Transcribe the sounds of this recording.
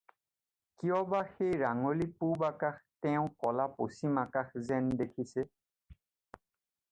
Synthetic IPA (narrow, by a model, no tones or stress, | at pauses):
kijɔbaxejɹaŋolipubakaxtɛʊ̃kɔlaposimakaxzɛndekʰisɛ